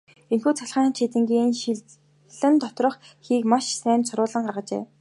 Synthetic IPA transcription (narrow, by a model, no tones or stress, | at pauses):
inxuːt͡sʰaɮχaːnt͡ɕʰit̪ɘ̆ŋɡʲiːn | ɮɘ̆nt̪ʰɔt̪rɞ̆χxiːkmaʃsæːnt̪sʊɾʊːɮə̆ɴɢaʁə̆t͡ɕḛː